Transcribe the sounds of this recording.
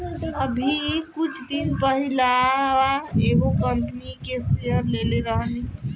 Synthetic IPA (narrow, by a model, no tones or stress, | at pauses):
əbʱikʊt͡ʃʰd̪inpəɦilaaeɦokəmpnikeseɦəɾleleɾəɦəni